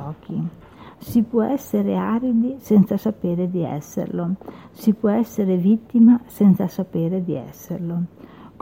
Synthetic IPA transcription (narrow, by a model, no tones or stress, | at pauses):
ɔːk̟i | sipwɔʔɛsːeɾeaːɾid̪isɛnt̪sasapeːɾed̪iɛ̰sːḛrlo | sipwɔɛsːeɾevit̪ːimasɛnt̪sasapeːɾed̪iɛ̰sːerlok